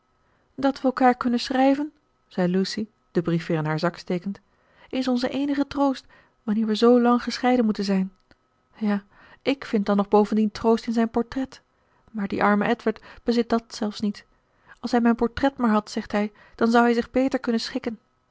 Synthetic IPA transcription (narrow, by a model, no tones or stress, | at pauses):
dɑtʋəɛlˠkaːɹkɵnənsrɛjvən | z̥ɛjlusi | d̥əbrifʋɪːrənɦaːɹzɑkstejkənt | ɪnsɔnzəʔejnəχətrowst | ʋɑnɪːɹʋəzowlɑŋχəsχɛjdənmutənzɛjn | jaː | ʔɪkfɪnt̚dɑnːɔχbowvəndintrowstɪnzɛjnpɔɹtrɛt | maːɹdḭʔɑɹməʔɛtʋəɹtb̥əzɪt̚dɑtsɛlˠfsnit | ɑlˠsɦɛjmɛjnpɔɹtrɛtmaːɹɦɑtsɛχtɦɛj | d̥ɑnzɑwɦɛjzɪχbejtəɹkɵnənsχɪkən